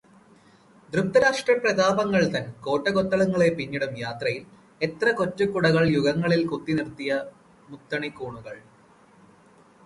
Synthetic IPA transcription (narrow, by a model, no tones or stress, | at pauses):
d̪ruk̚t̪ːɐɾaːʂʈrɐprɐɣaːbɐŋːɐɭt̪ɐnko̞ːʈːɐɣot̪ːɐɭɐŋːɐɭe̞piɲːiɽumjaːt̪rɐjil | e̞t̪rɐko̞tːukːuɽɐɣɐɭjuɣɐŋːɐɭilkut̪ːinirt̪ːijɐ | mut̪ːɐɳikːuːɳuɣɐɭ